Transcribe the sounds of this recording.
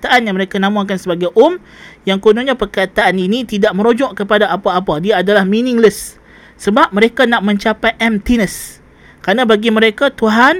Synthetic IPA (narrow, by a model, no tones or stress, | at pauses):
t̪aʔanjaŋməɾekanãmãkansəbaɡajʔʊm | jaŋkonuɲãpərkat̪aʔaninĩt̪idaʔmə̃ɾod͡ʒɔʔkəpadaapaːpadiaːdalahminĩŋləsː | əbap̚mə̃ɾekanaʔmə̃ɲt͡ʃapajʔɛmt̪inəs | kɾanãbaɡimə̃ɾekat̪uɦan